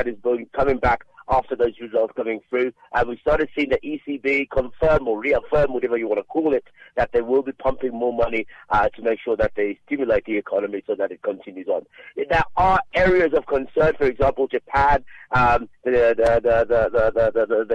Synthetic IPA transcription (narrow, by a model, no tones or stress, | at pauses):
ɨɾɨzbkʰʌmɪ̃ŋbækæftə˞ðoʊzɹɨzʌlˠtskʰʌ̃mɪ̃ŋθɹʉʔə̃nwi̥stɑɹɾɨd̥sĩɪ̃ŋðɨɾʔisibikʰə̃ɱfɜ̃˞mə˞ɹiəfɜ˞mwʌɾɛvə˞jəwɑ̃ntəkʰɔlˠɪt̪̚ðɨt̪̚ðeɪwɪlˠbipʰʌ̃mpɪ̃ŋmɔɹmʌniʔʌtʰəmeɪkʃʊɹðɨt̪̚ðeɪstɪ̃mjəleɪt̪̚ðiɨkʰɑnɨmisoʊðɨɾɨt̚kʰə̃ntʰɪ̃njʉzn̩ðəʔə˞ɛɹiɨzʌv̥kʰə̃nsɜ̃˞nfə˞ɨɡzæ̃mpəl̩ˠd͡ʒɨpʰæd̪̚ʔðɨðəðəðəðəðəðəðəð